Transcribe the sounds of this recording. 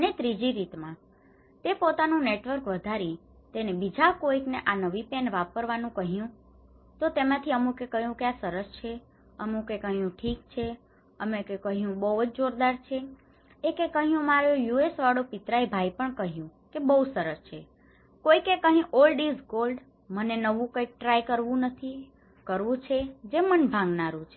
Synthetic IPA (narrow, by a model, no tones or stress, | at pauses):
ənet̪ɾid͡ʒiɾit̪mã | t̪epot̪anũneʈʋəɾkʋəd̪ʱaɾi | t̪enebid͡ʒakoikneʔanəʋipenʋapəɾʋanũkəɦijũ | t̪ot̪emãt̪ʰiəmũkekəɦjũkasəɾəst͡ʃʰe | əmũkekəɦjũʈʰikt͡ʃʰe | əmẽkekəɦjũbəɦud͡ʒd͡ʒoɾd̪aɾt͡ʃʰe | ekekəɦjũəmaɾojuesʋaɽopit̪ɾaibʱajpəɳkəɦijũkebəɦusəɾəst͡ʃʰe | kojkekəɦĩʔolɖizɡolɖ | mənenəʋũkəjk̚ʈɾajkəɾʋũnət̪ʰi | kəɾʋũt͡ʃʰed͡ʒemənbʱãŋɡnaɾũt͡ʃʰe